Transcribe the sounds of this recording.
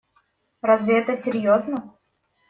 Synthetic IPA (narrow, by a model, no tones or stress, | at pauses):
razʲvʲɪɛt̪əsʲɪɾʲjoznə